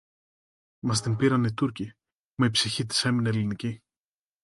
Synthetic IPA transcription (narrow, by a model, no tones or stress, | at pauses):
mɐs̬t̪impiɾɐnit̪uɾci | mɐipsiçit̪i̥se̞mineelinici